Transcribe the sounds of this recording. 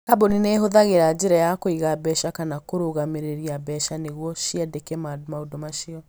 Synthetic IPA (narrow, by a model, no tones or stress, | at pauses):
aboninɛɦoðaɣeɾad͡ʒeɾajakoiɣabɛʃakanakoɾoɣameɾeɾiabɛʃaneɣwɔʃiadekɛmadmaodɔmaʃiɔ